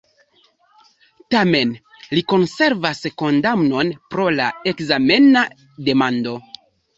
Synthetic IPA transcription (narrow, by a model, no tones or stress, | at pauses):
tame̞n | liko̞nse̞ɾvasko̞ndamno̞npɾo̞lae̞kzame̞na | de̞mando̞